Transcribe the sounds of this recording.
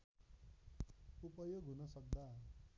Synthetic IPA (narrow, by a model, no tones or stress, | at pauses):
upʌjoɡɦunʌsʌk̚d̪a